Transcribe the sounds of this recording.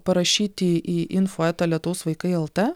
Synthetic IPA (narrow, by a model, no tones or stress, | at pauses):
pɐɾɐʃʲiːt̪ʲɪʔiːʔɪnfoːɛːt̪ɐlʲɛt̪ʊʋoːsʋɐɪkɐɪɛlˠt̪ɛ